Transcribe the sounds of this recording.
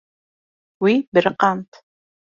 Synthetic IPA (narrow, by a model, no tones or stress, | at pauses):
wibɨrqantʰ